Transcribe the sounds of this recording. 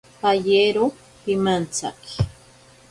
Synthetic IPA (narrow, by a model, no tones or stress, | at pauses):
pajeɾʊ | pɪmant͡sa̰ki̥